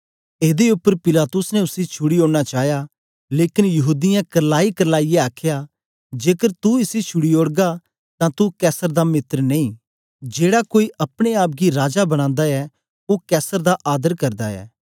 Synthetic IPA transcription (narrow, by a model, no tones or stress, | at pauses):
eːd̪eʊpːəɾpɪlaːt̪ʊsnɛʊsit͡ʃʰʊɽioːɽñat͡ʃaːja | leːkɪnjɐɦuːd̪ɪjãkɐɾlaːikɐɾlaːijeaːkʰja | d͡ʒeːkəɾt̪uɪsit͡ʃʰʊɽioːɽɡa | t̪ãt̪ukɛːsəɾd̪amɪt̪ɾnẽĩ | d͡ʒeːɽakoːiʔɐpɽ̃eaːp̚ɡiɾaːd͡ʒabɐɽ̃ãːnd̪aɛ | okɛːsəɾd̪aʔaːd̪əɾkɐɾd̪aɛ̰ː